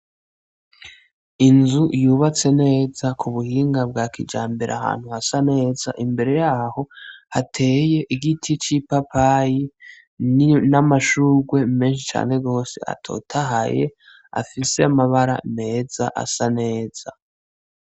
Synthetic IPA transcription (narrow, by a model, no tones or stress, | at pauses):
inzujuːβat͡se̞ne̞ːzakʰuβuhiːŋɡab̚ɡaːkid͡ʒa̰ːmbeɾʔa̰ha̰ːn̥huhasane̞ːzaʔimbe̞ɾe̞jaːho̞hatʰe̞ːje̞ʔiɡitʰit͡ʃipapaji | namaʃuːɡwe̞me̞ːnʃ̬it͡ʃa̰ːne̞ɡo̞ːse̞̰a̰tʰo̞̰ːtʰaɦa̰jḛ | a̰fise̞amaβaɾa̰me̞ːz̥aʔa̰sane̞ːz̥a